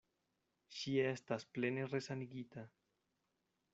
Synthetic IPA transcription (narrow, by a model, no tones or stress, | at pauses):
ʃiest̪aspleneresaniɡit̪a